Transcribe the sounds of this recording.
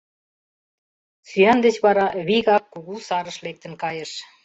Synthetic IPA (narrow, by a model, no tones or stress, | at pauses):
syɑnd̪et͡ɕβɑɾɑβiɣɑkːuɣusɑɾə̆ʃlek̚t̪ə̆nkɑjəʃ